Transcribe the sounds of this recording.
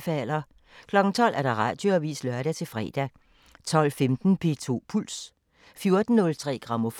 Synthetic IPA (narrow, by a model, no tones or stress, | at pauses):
fælɐ | kʰlɒ̽ɡ̥n̩t͡sʰɒ̽l̰ʔæɐɾ̥ɑ̈ʁɑ̈ːd̥joɒʋḭːslœɐɾ̥æt͡sʰe̝lfʁɛ̰ːd̥æ | t͡sʰɒ̽l̰femd̥n̩pʰe̝t͡sʰo̝̰ːpʰul̰s | fjo̝ɐd̥n̩nɔ̽lt͡sʰʁɛ̰ːɡ̥ʁɑ̈mɔf